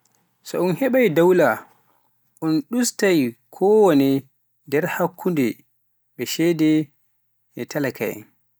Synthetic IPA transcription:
sɔ̰unhɛɓajdawla | ʔunɗustajkʰɔwonɛ | dɛɾhakʰːundɛ | ɓɛʃɛdɛ | ʔɛtalakʰa̰jɛ̰n

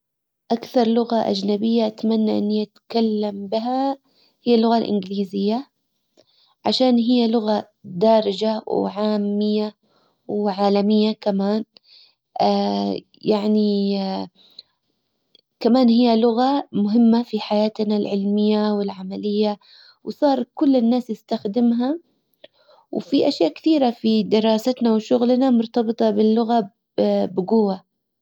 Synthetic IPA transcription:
ʔakθɑɾˤlʊɣaʔa̰d͡ʒnabɪjːaʔat̪manːaʔɪ̰nːiʔat̪kalːambɪɦa | hɪjːalʊɣalʔɪ̰nɡliːzɪjːa | ʕa̰ʃaːnɦɪjːalʊɣa | d̪aːɾˤɪd͡ʒawʕaːmːɪjːa | wʕaːlamɪjːakamaːn | ʔa | jaʕni | kamaːnhɪjːalʊɣamʊɦɪmːafiħajaːt̪nalʕɪlmɪjːawɪlʕamalɪjːa | wsˤɑːɾˤkʊlːɪnːaːsjɪst̪axd̪ɪmɦa | wfiʔaʃjaːʔkɪ̥θiːɾafid̪ɪɾˤɑːsat̪nawʃʊɣlnamʊɾt̪ɑbɨt̪ˤɑbɪlːʊɣa | bɪɡʊwːa

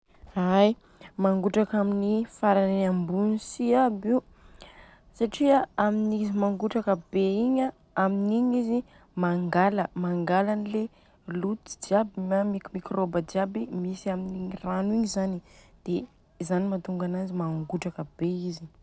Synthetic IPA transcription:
aj | maŋɡuʈ͡ʂakaminifaɾanenambunisiabiw | saʈ͡ʂiaaminizimaŋɡuʈ͡ʂakəbeiɲa | aminiɲizi | maŋɡaləmaŋɡalanile | lut̪i̥d͡ʒiabiamikumikrobad͡ʒiabimisiaminiɲranuiɲzanid̪̥e | zanimat̪uŋɡanazimaŋɡuʈ͡ʂakəb̥eizi

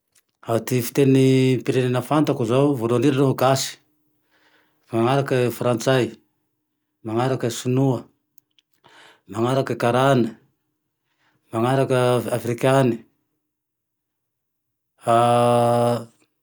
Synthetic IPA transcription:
at̪ifi̥t̪enipiɾenenəfant̪akuzawvolaniɾanoɦuɡasi̥ | maŋaɾakəfrant͡saj | maŋaɾakəsunuə | maŋaɾakəkaɾanə | maŋaɾakəafrikʲani̥ | a

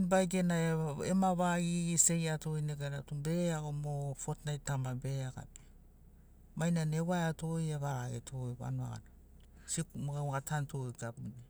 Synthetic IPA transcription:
nbajɡenaeḛmaβaɡiise̞jatojneɡaɾatube̞aɡomofotnajtamabe̞aɡa̰pi̥ | majnanewaeatojeβaaetʰojβa̰noa̰ɡa̰na | sikumɡawɡatʰantojɡabune

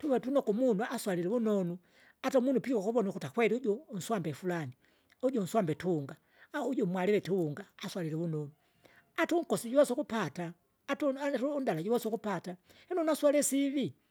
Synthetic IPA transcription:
tuβɛtunɔkumunuaswalilɛβunɔnu | atamunupikakuβɔnukutakwɛɾiuɟɔn̩swambɛfulani | uɟɔn̩swambɛtuŋɡa | uɟɔmwalilɛtuuŋɡaːswalilɛβunɔnu | atuŋ̩kɔsiɟuwɔsɔkupataː | tuundalaɟuwɔsɔkupata | hɛnɔnaswalɛsiβi

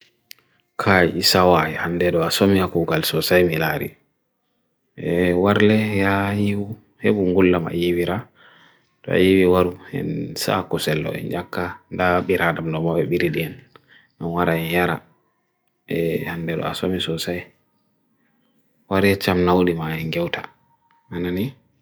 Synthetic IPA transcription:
kʰajʔisawaɛhandɛɗɔasomiakuɡalsɔsajmilaɾḭ | ɛwaɾlɛjajiwu | heɓuŋɡulːama̰jiwiɾa | tɔ̰a̰jiwiwaɾuɛ̰nsa̰kɔsɛlːɔ̰ɛ̰nd͡ʒakːandaɓiɾadamdɔmɔɓɛɓiɾiɗiɛn | ʔɛnwaɾaɛnjaɾa̰ | ʔɛhandɛɗɔ̰a̰somisɔsaj | waɾjɛt͡ʃamnawɗimaɛŋɡɛwta | anani

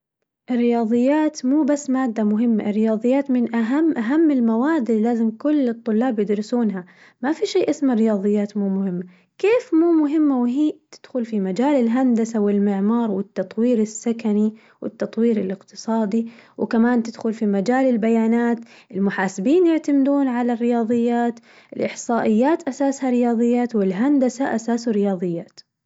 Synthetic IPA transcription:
ʔɪrːɪjɑːðˤɨjːaːt̪muːbasːmaːd̪ːamʊɦɪmːa̰ʔɪrːɪjɑːðˤɨjːaːt̪mɪnʔaɦamːʔaɦamːɪlmawaːd̪lilaːzɪmkʊlːɨt̪ˤːʊlːɑːbjɪd̪ɾɪsuːnɦa | mafiʃeːʔɪsmaɾɪjɑːðˤɨjːaːt̪muːmʊhɪmːa | keːfmuːmʊɦɪmːawɪɦiːt̪ɪd̪̥xʊlfimad͡ʒaːlɪlɦand̪asawɪlmɪʕmɑːɾˤwɪt̪ːɑt̪ˤwiːɾɪsːakani | wʔɪ̰t̪ːɑt̪ˤwiːɾɪlɪqt̪ɨ̥sˤɑːd̪iwɪ̰kamaːnt̪ɪd̪̥xʊlfimad͡ʒaːlɪlbajaːnaːt̪ | ʔɪlmʊħaːsɪbiːnjɪʕt̪amd̪uːnʕalarːɪjɑːðˤɨjːaːt̪ | ɪlʔɪħsˤɑːʔɪjːaːt̪ʔasaːshaɾɪjɑːðˤɨjːaːt̪wɪlɦand̪asaʔasaːsrɪjɑːðˤɨjːaːt̪

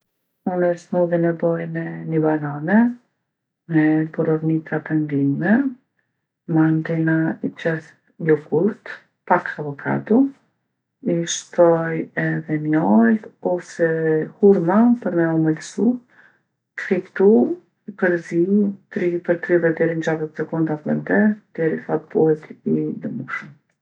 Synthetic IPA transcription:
unɛʃt̪muðinɛbɔjnɛnibananɛ | mɛbuɾɔvnit̪apɛnd̪immɛ | mant̪ɛnaipɛθ | ɔkuɾt̪ | pakavɔkʰa̰d̪u | iʃt̪ɔjɛðɛmjɔlɔsɛhuɾmapəɾmɛɔməlsu | kɾipt̪u | ipəɾziut̪ɾipəɾt̪ɾiðɛd̪ɛɾind͡ʑaɾət̪sɛkund̪aplɛnt̪ɛd̪̥ɛɾiθat̪̚buhɛt̪id̪əmuʃəm

